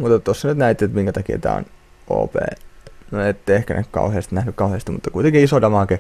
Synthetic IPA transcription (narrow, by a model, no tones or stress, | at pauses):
mut̪ːet̪t̪osːɑnyt̪næit̪ːiet̪miŋkæt̪ɑkiḛt̪æ̰ːo̰n | o̰ːpḛːnoet̪ːehkæ̰nḛkkɑ̰uheːst̪inæhnykkɑuheːˑst̪imut̪ːɑkuit̪eŋkiisodɑmɑˑke